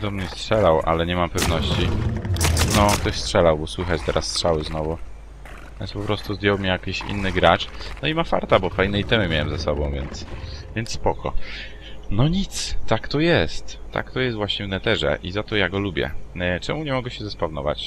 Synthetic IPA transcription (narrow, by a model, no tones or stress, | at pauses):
d̪ɔmɲɛstʂɛlawʔa̰lɛɲɛmampɛvnɔɕt͡ɕi | nɔkt̪ɔɕstʂɛlawbɔswɘxat͡ɕt̪ɛɾʔasːtʂawɘznɔvu | vʲjɛ̰nspɔpɾɔst̪uzd̪jɔwmʲijakʲiɕḭnːɘɡɾat͡ʂnɔimafa̰ɾt̪abɔfajnɛjt̪ɛmɘmʲjawɛmzasɔbɔ̃w̃vʲjɛnt̪svʲjɛnt̪sspɔkɔ | nɔɲit̪st̪ːakt̪ɔjɛst̪ːa̰kt̪ɔjɛst̪vwaɕɲɛvnɛt̪ɛʐɛ̰ʔizat̪ɔjaɡɔlubʲjɛ̰t͡ʂɛmuɲɛmɔɡɛɕɛzɛspavnɔva̰t͡ɕ